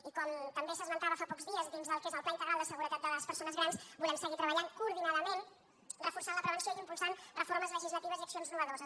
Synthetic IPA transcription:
ikɔmt̪əmbesəzmənt̪aβəfapɔkzðiəzd̪inzðəlˠkezəlˠplaint̪əɣɾalˠd̪əsəɣuɾət̪at̪̚ələspəɾsonəzɣɾansbulɛmsəɣit̪ɾəβəʎaŋkuuɾðinaðəmen | rəfursanləpɾəβənsioiimpulˠsanrəforməzləʒizlət̪iβəziəksionznumβəðozəs

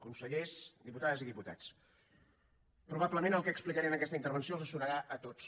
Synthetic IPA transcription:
kunsəʎesd̪iput̪aðəziðiput̪a̰t͡s | pɾuβ̞apləmenəlˠkɛksplikəɾɛnəkɛst̪əint̪əɾβ̞ənsioəlˠzəsunəɾaʔət̪ot͡s

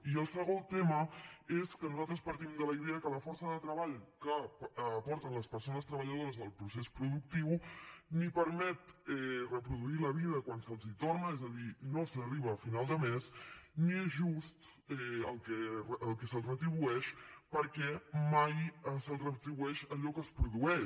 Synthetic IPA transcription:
iəlˠsəɣot̪eməeskənuzalˠt̪ɾəspəɾt̪imd̪ələiðeəkələfɔɾsəðət̪ɾəβaʎkəpːpɔɾt̪ənləspəɾsonəst̪ɾəβəʎəð̞oɾəzəlˠpɾusespɾuðuk̚t̪iwnipəɾmɛt̪ɛrəpɾuðuiləβiðəkwansəlˠzit̪ornəɛzəðinosəriβ̞əːfinalˠd̪əmesniezʒust̪ | ɛəlˠkɛrːlˠkɛsəlˠrət̪ɾiβ̞uɛʃpəɾkɛmajəsəlˠrət̪ɾiβuɛʃəʎɔkəspɾuðuɛʃ

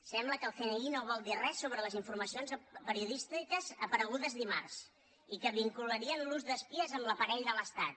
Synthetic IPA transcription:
sɛmbləkəlˠxeneinoβɔlˠd̪irɛsːoβɾələziɱfuɾməsionzpəɾiuðist̪ikəzəpəɾəɣ̞uðəzðimars | ikəβiŋkuləɾiənluzðəspiəzəmləpəɾɛʎðələst̪at̪̚

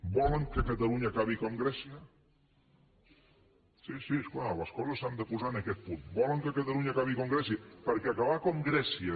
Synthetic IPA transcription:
bɔləŋkəkət̪əluɲakaβikoŋɡɾɛsiə | sisiesklaləskɔzəsand̪əpuzaənəkɛt̪̚punt̪bɔləŋkəkət̪əlˠuɲakaβikoŋɡɾɛsiəpəɾkɛəkaβakoŋɡɾɛsiə

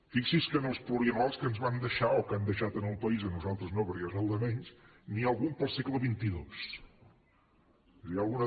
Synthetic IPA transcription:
fiksiskənəlˠspluliəβalˠskənzβand̪əʃaokand̪əʃat̪ənəlˠpəizənuzalˠt̪ɾəznoβəɾiozəlˠd̪əmɛɲs | niəlˠɣumpəlˠsɛkləβint̪iðos | ialˠɣunə

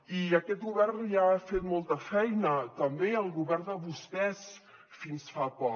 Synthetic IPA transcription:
iəkɛt̪̚ɣuβɛrniafet̪molˠt̪əfɛjnət̪əmbeəlˠɣuβɛrnd̪əβust̪ɛs | finsfapɔ

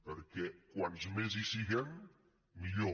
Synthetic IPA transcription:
pəɾkɛkwanzmezisiɣɛmː | iʎo

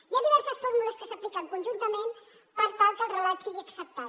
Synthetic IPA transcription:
jaðiβɛɾsəsfoɾmunəskəsəplikəŋkunʒunt̪əmẽn | pəɾt̪alˠkəlˠrəlat̪siɣiəksəp̚t̪a

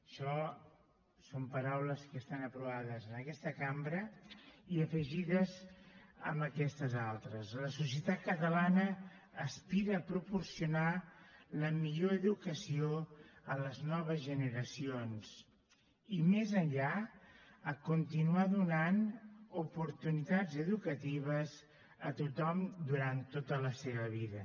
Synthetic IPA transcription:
əʃɔ | sompəɾawləskəst̪anəpɾuβ̞aðəzənəkɛst̪əkambɾəiəfəʒiðəzə̰mbəkɛst̪əzalˠt̪ɾəzləsusjət̪at̪̚kət̪əlanəː | spiɾəːpɾupuɾsiunaləmiʎoəðukəsioənləznɔβ̞əzʒənəɾəsionz̥ | imezənʎa | əkunt̪inuaðunanupuɾt̪unit̪ad͡zəðukət̪iβ̞əz | ət̪ut̪ɔmd̪uɾant̪ːot̪ələseβ̞əβiðə

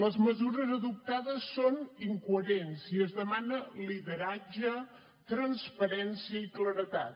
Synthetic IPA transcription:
ləzməzuɾəzəðup̚t̪aðəsːoniŋkuəɾensiəzðəmanəliðəɾad͡ʒə | t̪ɾənspəɾɛnsiəikləɾət̪a̰t̪

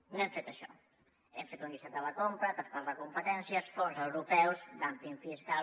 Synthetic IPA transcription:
noɛmfet̪əʃɔ̰ | ɛɱfet̪loŋisat̪ələkompɾət̪əspalɐkumpət̪ɛnsjəsfɔɾzəwɾupɛwzd̪amp̪iɱfiska

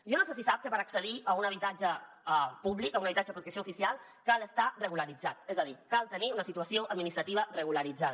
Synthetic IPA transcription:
ʒonoses̬isap̚kəpəɾəksəðiʔəunəβit̪ad͡ʒə | puβlikəunəβit̪ad͡ʒəəpɾut̪əksioufisialˠ | kaləst̪arəɣuləɾid͡zat̪̚ezəðikalˠt̪əniunəsit̪uəsioʔɐd̪̚minist̪ɾət̪iβərəɣuləɾid͡zað

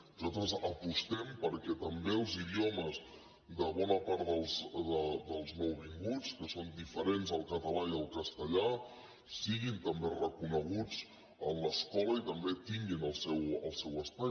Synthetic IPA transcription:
nuzat̪ɾəzəpust̪ɛmpəɾkɛt̪əmbeəlˠziðioməz | ðəβɔnəpaɾt̪d̪əlˠzðəd̪əlˠzməwβiŋɡut͡skəsond̪ifəɾenzəlˠkət̪əlaiəlˠkəst̪əʎa | siɣint̪əmberəkunəɣ̞ut͡s | ənləskɔləit̪əmbet̪iŋɡinəlˠsɛwəlˠsɛwəspa

